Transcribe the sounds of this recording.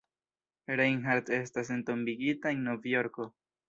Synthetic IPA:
ɾejŋɦaɾte̞stas̬e̞nto̞mbiɡitaenːovjo̞ɾko̞

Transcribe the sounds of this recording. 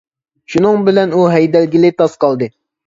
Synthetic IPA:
ʃunɨŋbɪlɛnuɦɛjd̪ɛlɡʲilɪt̪ʰɑsqɑlˠd̪ɨ

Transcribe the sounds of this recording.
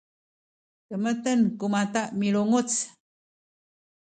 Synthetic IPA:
təmət̪ənkumataʔmiɭuŋut͡s

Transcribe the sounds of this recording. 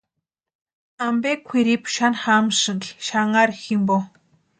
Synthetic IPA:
ampekxeɾiːpʃanχaːmʃə̆ɮʃaŋaɾximpo

